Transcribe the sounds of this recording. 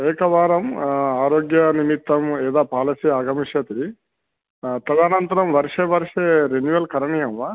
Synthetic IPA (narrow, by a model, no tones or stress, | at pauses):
eːkɐʋaːɾɐmaːɾoːɡjɐnimit̪ːɐmeːd̪aːpaːlɐsiaːɡɐmiʃɐt̪ɾi | t̪ɐd̪aːnɐnt̪ɐɾɐmʋɐɾʂeʋɐɾʂeɾenuʋɐlkɐɾɐɳijɐmʋaː